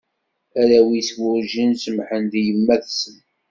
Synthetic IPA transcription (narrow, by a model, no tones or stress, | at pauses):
æɾæwiswʊɾʒinsəmħənd̪jəmːæθsən